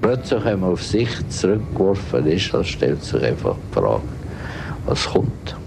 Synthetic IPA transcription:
plœt͡slɪχhɛməʊfsɪχt͡sɾʏk̚ːvɔɾfə̰nɪʃɑlsʃtɛ̰ltsɪ̰χa̰ɪfɑ̰χpfrɑ̰ːk | vɑ̰sχʊnt

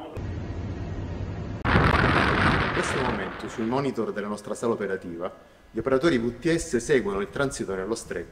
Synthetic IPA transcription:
iŋkːwest̪omoment̪osuimɔːnit̪ord̪elːanɔst̪ɾasaːlaopeɾat̪iːva | ʎiopeɾat̪oːɾivut̪ːiɛsːesɛːɡwonoilt̪ɾansit̪onelːost̪ɾekː

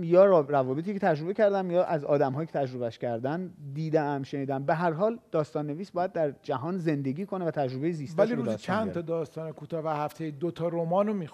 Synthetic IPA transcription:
jɒːɾævɒːbeiːcʰe̞t̪ʰæd͡ʒɾobecʰæɾd̪æmjɒːʔæzɒ̰ːd̪æmɦɒːjicʰet̪ʰæd͡ʒɾo̞βæʃcʰæɾd̪ænd̪iːd̪eæmʃeniːd̪ææmbeɦæɾɦɒːld̪ɒːst̪ɒːnːe̞viːsbɒːjæd̪̚ːæɾd͡ʒæɦɒːnze̞nd̪e̞ɡʲiːkʰo̞nevæt̪ʰæd͡ʒɾobe̞jeziːstvæliɾeuːst͡ʃʰænʰɒd̪ɒːst̪ɒːnekʰuːt̪ʰɒːvæhæft̪ʰejed̪ot̪ʰɒɾomɒːnomix

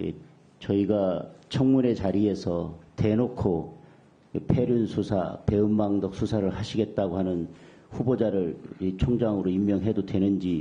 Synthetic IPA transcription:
ḛ | t͡ɕʌiɡat͡ɕʰʌŋmune̞t͡ɕaɾie̞sʰʌte̞nokʰo | pʰe̞ɾjunsʰusʰa̰pe̞ɯmbaŋdʌk̚s͈ʰusʰaɾɯɭhaɕʰiɡe̞t̚t͈aɡohanɯn | ɸubod͡ʑaɾɯɭit͡ɕʰoŋd͡ʑaŋɯɾoimːjʌŋɦe̞dodwe̞nɯnd͡ʑi

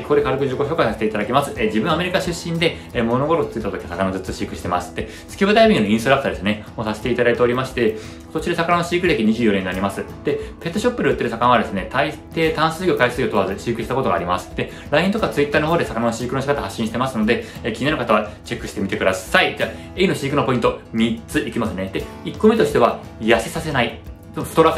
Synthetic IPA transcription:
kokod̪e̞kaɾɯkɯ̟ʑiko̞ço̞ːkaisaset̪eit̪ad̪akʲimasɨed͡ʑibɯ̟̃ɰame̞ɾʲikaɕɨɕːĩnd̪e̞mo̞no̞ɡoɾot͡sɨit̪ːat̪okʲiasakanazɨt͡sɨɕikɯ̟ɕi̥t̪e̞ma̰sɨ̥t̪ːe̞ | sɨ̥kʲiβɯd̪aibʲiɲinoĩst̪oɾakɯ̟t̪ad̪e̞sɨne̞moːsaset̪e̞it̪ad̪ait̪e̞o̞ɾʲimaɕi̥t̪e̞ | kt̪ot͡ɕid̪esakananoɕiːkɯd̪ekʲiɲ̟iʑɨːjoɾẽnaɾʲimasɨd̪̥e̞pe̞t̪ːo̞ɕo̞pːɯ̟d̪eɯ̟t̪ːeɾɯ̟sakanãβad̪e̞sɨne̞t̪ʰait̪e̞ːt̪ãɰ̃sɨːɡʲo̞kaisɨːɡʲo̞t̪o̞βazɕiːkɯ̟ɕi̥t̪ako̞t̪o̞ɡaːɾʲimasɨ̥d̪e̞ | ɾaĩt̪o̞kaat͡sɨit̪ːaːnoɦoːd̪e̞sakananoɕiːkɯno̞ɕi̥kat̪ahaɕːĩɕi̥t̪e̞masɨno̞d̪e̞kʲiɲianokat̪aβat͡ɕe̞kːɯ̟ɕi̥t̪e̞mʲit̪e̞kɯ̟d̪asaid͡ʑa | e̞ino̞ɕiːkɯ̟no̞po̞ĩnt̪omʲit͡sɨʔikʲimasɨned̪̥eikːo̞met̪o̞ɕi̥t̪e̞βajasesase̞nait̪oɸɯ̥t̪oɾak

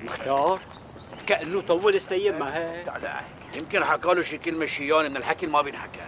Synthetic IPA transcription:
mɪxt̪ɑːɾˤ | kaʔanːʊt̪ˤɑwːɪlɪst̪ajːɪbmaheʕala̰ʕa̰ | jɪmkɪnħakɑːluʃikɪlmaʃɪjːaːnʔmɪnɪlħakɪlmabjɪnħaka̰

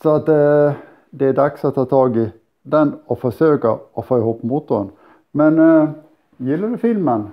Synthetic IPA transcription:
sɔat̪ | d̪ɛæɖɑksɔt̪ʰːɑːt̪ʰɑːɡɪ | d̪ɛnɔfɔʂøːkəɔfoːɪhuːpːmut̪ːʊən | mɛn | jɪlːəd̪ʉfɪlmən

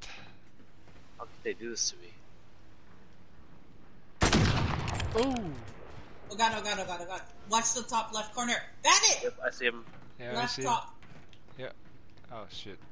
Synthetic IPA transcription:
haʊkʰɨd̪̚ðeɪdɨðɪstʰɨmḭ | o | oʊɡɑɾoʊɡɑɾoʊɡɑɾoʊɡɑ | wʌtsðətʰɔplɛft̚kʰɔɹnə˞ | ðæɾɪtjɛpaɪsiɨ̃m | jælæstʰɔp̚ | jæ | oʊʃɪt̚

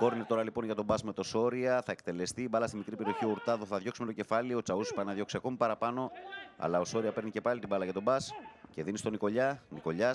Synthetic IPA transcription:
ko̞ɾnet̪o̞ɾɐlipo̞nʝɐt̪o̞bɐzme̞t̪o̞so̞ɾiɐθɐek̚t̪e̞le̞st̪iːbɐlɐst̪imikɾipe̞ɾioçioɾt̪ɐðoθɐðʝo̞ksime̞t̪oce̞fɐlio̞t͡sɐuspɐnɐðʝo̞ksiɐko̞mipɐɾɐpɐno̞ɐ̰lɐo̞so̞ɾiɐpe̞ɾnice̞pɐlit̪ibɐlɐʝɐt̪o̞bɐsce̞ðinist̪o̞niko̞ʎɐniko̞ʎɐs

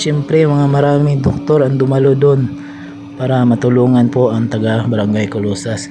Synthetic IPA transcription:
ʃɛmpɾɛjʊmɐŋamɐɾaːmɪŋd̪ok̚t̪o̞ɾɐŋd̪ʊmɐlo̞d̪o̞n | paːɾɐmɐt̪ʊluːŋɐnpo̞ʔɐŋt̪ɐɡabɐɾɐŋɡajkolosɐs

